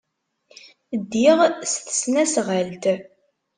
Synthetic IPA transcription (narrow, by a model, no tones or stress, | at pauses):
d̪ːiʁst̪ə̥snæsʁəlt̪